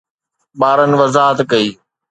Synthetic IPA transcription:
ɓaːɾənɪ̆ʋɐzaːɦət̪kɐiː

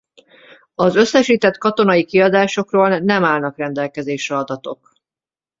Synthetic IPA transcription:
ɒzø̞sːɛʃiːt̪ɛt̪kɒt̪o̞nɒikiɒd̪aːʃo̞kroːlnɛmaːlnɒkrɛnd̪ɛlkɛzeːʃɛɒd̪ɒt̪o̞̰k

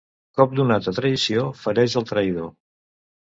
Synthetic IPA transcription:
kɔp̚d̪unat̪ət̪ɾəisiofəɾɛʒəlˠt̪ɾəjð̞o

